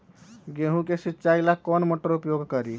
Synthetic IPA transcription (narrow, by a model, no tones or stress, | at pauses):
ɡeɦũkesitːt͡ʃailakːɔnmoʈəɾupjoɡkəɾi